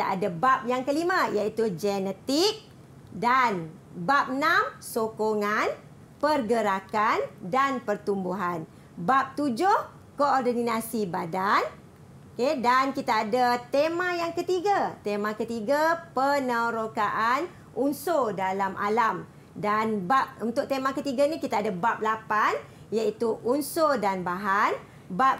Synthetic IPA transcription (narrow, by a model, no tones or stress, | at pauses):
kit̪aʔa̰dabap̚jaŋkəlimãjait̪ud͡ʒɛnət̪ɪk̚ | dan | bap̚namsokoŋan | pərɡəɾakandanpərt̪umbuɦan | bap̚t̪ud͡ʒʊh | koɔrdəninasibadan | okedankit̪aːdat̪emãjaŋkət̪iɡat̪emãkət̪iɡapənəɾokaʔan | ʔunsodalamʔa̰lam | danbap̚unt̪ʊk̚t̪emãkət̪iɡanikit̪aːdabap̚lapan | jait̪uʔunsodanbaɦan | bap̚